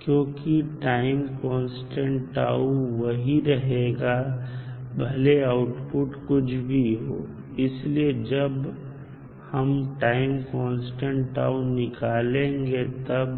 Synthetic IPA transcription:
kjõːkiʈaːɪmkɔ̃ːnsʈə̃ɳʈʈa̰ːuʋɐɦiɾɐɦeːɡa | bʱɐleaʊʈpʊʈkʊt͡ʃʰbʱiɦo̰ː | ɪslied͡ʒɐb | hɐmʈaːɪmkɔ̃ːnsʈə̃ɳʈa̰ːunɪkaːlẽːŋɡet̪ɐb

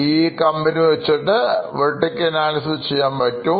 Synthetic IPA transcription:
iːkɐmbɐniʋɐt͡ɕːiʈːɨʋeʈːikʲːenaːnɐsut͡ɕːejːaːmpɐtːu

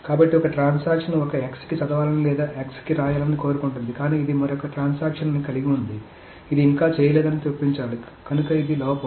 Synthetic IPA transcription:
kaːbɐʈːiɔkɐʈɾaːnsaːkʂɐnɔkɐekskit͡ʃɐd̪ɐʋaːlɐnilɛːd̪aːʔekskiɾaːjaːlɐniko̞ːɾukuɳʈund̪ikaːniːid̪imɐɾɔkɐʈɾaːnsaːkʂɐnɐnikɐliɡiund̪i | id̪iːŋkaːt͡ʃɛːjɐlɛːd̪ɐnit̪opːiɲt͡ʃaːli | kɐnukɐid̪ilɔːpɐm

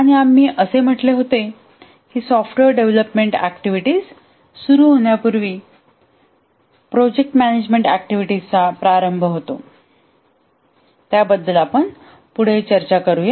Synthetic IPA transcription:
aɽ̃iamːiːʔəsem̤əʈleɦot̪e | kiːsɔfʈʋeɾɖeʋləpmeɳʈækʈiʋiʈiːz | suɾuːɦoɳ̃japuɾʋiː | pɾod͡ʑek̚ʈmæned͡ʑmeɳʈæk̚ʈiʋiʈizt͡sapɾaɾəmbʱɦot̪o | t̪jabəd̪ːəlapəɳ | puɽ̤et͡ɕəɾt͡ɕakəɾuje

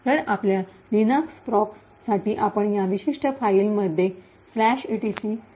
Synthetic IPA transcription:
t̪əɽaplja | ɾinakspɾɔk | saʈiːʔapəɳjaʋiɕiʂʈəfailməd̪ʱːje | flæɕiʈisi

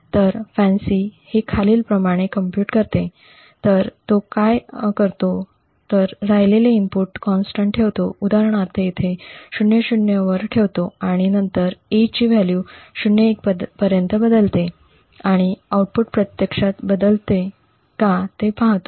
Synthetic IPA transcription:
t̪əɾfɛ̃nsihekʰaliːlpɾəmaɽ̃ekəmpjuːʈkəɾt̪e | t̪əɾt̪okajkəɾt̪o | t̪əɾɾajleleimpuʈkɔnsʈəɳʈʈʰeʋt̪oud̪aɾəɳ̃aɾt̪eet̪ʰeɕuɳjəɕuɳjəʋəɾʈʰeʋt̪oaɽ̃inənt̪əɾet͡ɕiʋaljuɕuɳjəek̚ppəɾjənt̪əbəd̪əlt̪e | aɽ̃iauʈ̚puʈ̚pɾət̪jəkʂat̪bəd̪əlt̪e | kat̪epãɦt̪o̥

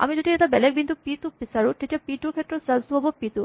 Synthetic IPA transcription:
a̰mid͡ʑod̪ieʈabɛlɛk̚bint̪upit̪upisaɾuʈetapiʈuɾkʰɛt̪ːɾɔsazt̪uɦɔbopit̪u

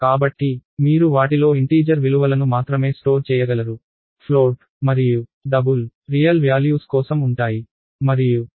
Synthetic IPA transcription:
kaːbɐʈːimiːɾuʋaːʈ̬ilo̞ːiɳʈiːd͡ʒɐɾʋiluʋɐlɐnumaːt̪ɾɐme̞ːsʈo̞ːɾt͡ʃɛːjɐɡɐlɐɾu | pʰloːɖ | mɐɾijuɖɐbulɾijɐlʋjaːljuːskɔːsɐmuɳʈaːji | mɐɾiju

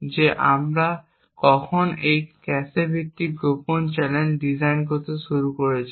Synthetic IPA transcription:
d͡ʑeʔa̰mɾa | kɔkʰɔnejkɛsebʱit̪ːiɡopont͡ʃɛlenɖizajnɡot̪osuɾukoɹet͡ɕʰi

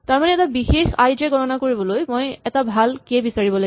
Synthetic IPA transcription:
taɹmanɛɛtabixexa̰jd͡ʒɛɡʱɔtɔnakoɹibɔlojmojɛtabʱalkebisaɹibɔlo

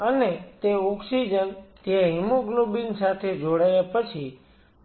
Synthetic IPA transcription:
ənet̪eɔksid͡ʒənt̪jãɦimuɡlobinsat̪ʰed͡ʒoɽajapət͡ʃʰi

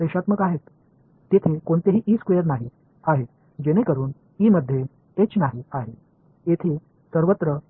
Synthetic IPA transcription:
ɾeɕat̪məkaɦet̪ː | et̪ʰekoɳt̪eɦiːʔiːskʋejəɾnaɦi | aɦe | d͡ʑeñekəɾuːn | iːməd̪ʱːje | et͡ɕnaɦiaɦe | et̪ʰe | səɾʋət̪ɾə

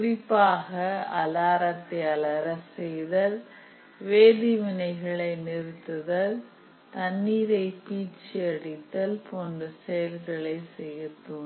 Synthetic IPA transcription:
kʊɾɪpːaːɣɐɐlaːɾɐt̪ːɐɐlɐɾɐsɛjðɐl | ʋeːðɪʋɪnɐɪɣɐɭɐɪnɪɾɯt̪ːɯðɐl | t̪ɐnːiːɾɐɪpiːt͡ʃːɪɐɽɪt̪ːɐlpoːndɐsɛjɐlɣɐɭɐɪsɛjɯt̪ːun

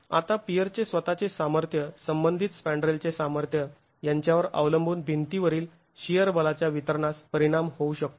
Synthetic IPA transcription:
a̰t̪apijəɾt͡sesʋət̪at͡sesaməɾt̪ʰjəsəmbənd̪ʱit̪spæɳɖɾelt͡sesaməɾt̪ʰjə | jaɲt͡ɕjaʋəɾə̰ʋləmbʱuːnbʱint̪iʋəɾiːl | ɕijəɾbəlat͡ɕjaʋit̪əɾɳaspəɾiɽ̃amhouɕək̚t̪o

